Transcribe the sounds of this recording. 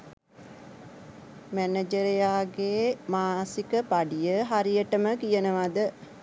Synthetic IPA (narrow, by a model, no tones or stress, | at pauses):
mæned͡ʒəɾejaːɡeːmaːsikəpaɖijəɦaɾijəʈəməkijənəʋad̪ə